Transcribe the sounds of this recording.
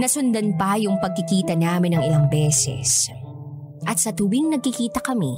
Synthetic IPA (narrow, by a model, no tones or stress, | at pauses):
nɐsʊnd̪ɐnpɐjʊŋpɐɡ̚kɪkiːt̪ɐnaːmɪnɐŋɪlaŋbɛːsɛ̰s | ʔɐt̪̚sɐt̪ʊwɪŋnɐɡ̚kɪkiːt̪ɐkɐmi